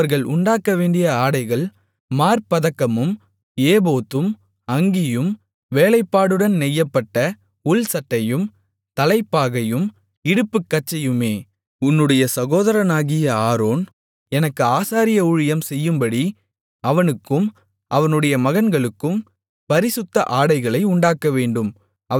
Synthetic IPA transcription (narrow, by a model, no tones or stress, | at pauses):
ɐɾɣɐɭʔʊɳɖaːkːɐʋeːɳɖɪjɐaːɽɐɪɣɐɭ | maːɾpɐðɐkːɐmɯm | eːboːt̪ːɯm | ɐŋɡɪjɯm | ʋeːlɐɪpːaːɽɯɽɐnnɛjːɐpːɐʈːɐ | ʊɭsɐʈːɐjɯm | t̪ɐlɐɪpːaːɣɐjɯm | ɪɽɯpːɯkːɐt͡ʃːɛjɯmeː | ʊnːɯɽɐjɐsɐɣoːðɐɾɐnaːɣɪjɐaːɾoːn | ɛnɐkːɯaːsaːɾɪjɐʊɻɪjɐmsɛjːɯmbɐɽi | ɐʋɐnɯkːɯm | ʔɐʋɐnɯɽɐjɐmɐɣɐnɡɐɭɯkːɯm | pɐɾɪsɯt̪ːɐʔaːɽɐɪɣɐɭɐɪʊɳɖaːkːɐʋeːɳɖɯm | ɐ